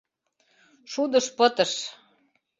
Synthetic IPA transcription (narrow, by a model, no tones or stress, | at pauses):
ʃud̪ə̆ʃpɤ̆t̪ə̆ʃ